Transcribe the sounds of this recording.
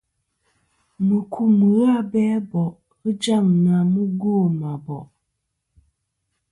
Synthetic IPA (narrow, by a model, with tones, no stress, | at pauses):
mə˨kʰu˨mə˨˦a˦bɛ˦bɔ˨ʔ | ɣə˦d͡ʒa˦˨ŋna˨mə˦ɡo˦˨ma˨bɔ˨ʔ